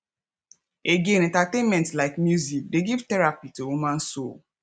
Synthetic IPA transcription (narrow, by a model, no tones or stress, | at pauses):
eɡẽnɛ̃ntatemɛ̃ntlaɪkmjuzik̚deɡiv̥tɛɹapitoumãn̩so̰l